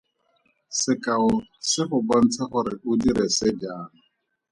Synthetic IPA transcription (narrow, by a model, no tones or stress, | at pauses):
sɪkʼaʊsɪχʊbɔn̩t͡sʰaχʊɾɪʔʊdiɾɛsɪd͡ʒaːna